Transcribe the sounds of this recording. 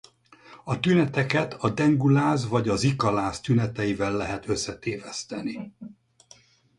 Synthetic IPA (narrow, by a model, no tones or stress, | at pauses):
ɒt̪ynɛt̪ɛkɛt̪ʰɒd̪ɛŋɡulaːzvɒɟɒzikɒlaːst̪ynɛt̪ɛjivɛlːɛɦɛt̪ø̞sːɛt̪eːvɛst̪ɛni